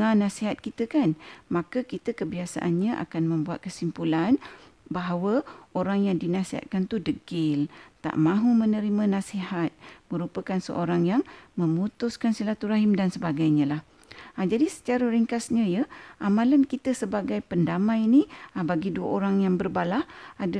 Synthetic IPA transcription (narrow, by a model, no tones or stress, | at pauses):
ãnãsiɦat̪̚kit̪əkanmãkakit̪əkəbiasa̰ʔanɲaʔa̰kanmə̃mbuat̪̚kəsimpulan | baɦawəoɾaŋjaŋdinasiɦa̰t̪̚kant̪udəɡɪlt̪a̰ʔmãɦumə̃nəɾimãnãsiɦat̪̚mə̃ɾupəkansə̰ʔoɾaŋjaŋmə̃mut̪ʊskansilat̪uɾaɦɪmdansəbaɡajɲãlah | ad͡ʒadisə̥t͡ʃaɾəɾiŋkasɲə̃jəʔamãlankit̪əsəbaɡajpəndamãjiniabaɡiduəʔoɾaŋjaŋbərbalahad